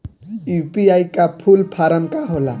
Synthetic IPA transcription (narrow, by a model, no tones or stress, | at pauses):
upiajkapʰulpʰaɾamkaɦola̰